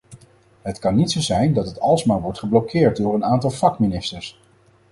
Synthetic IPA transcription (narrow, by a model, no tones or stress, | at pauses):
ɦətkɑnːitsowzɛjndɑtɦətɑlˠsmaːlʋɔɹtχəblokɪːɹt̚dʊːɹənaːntɑlˠvɑkminɪstəɹs